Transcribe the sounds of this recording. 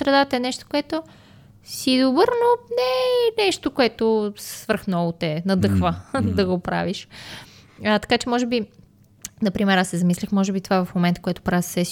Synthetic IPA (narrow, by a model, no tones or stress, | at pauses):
sɾɛd̪at̪əɛnɛʃt̪o̥koɛt̪o | sid̪obəɾnonɛnɛʃt̪okoɛt̪osvɤɾxnɔlʊt̪ɛnɐd̪ɤxvəd̪ɐɡopɾa̰viʃ | ət̪ɐ̥kat͡ʃɛmɔʒɛbi | nɐpɾimɛɾasːɛzɐmislʲixmɔʒɛbit̪ovavɐfmomɛnt̪ə̥koɛt̪o̥pɾavisɛs